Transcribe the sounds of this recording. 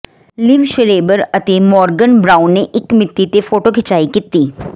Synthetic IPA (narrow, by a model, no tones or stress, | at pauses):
liʋʃəɾeːbəɾɐt̪emɔːɾɡənbɾaːʊ̃nːeʔɪkmɪt̪ːit̪efoːʈokʰɪt͡ʃaːikɪt̪ːiː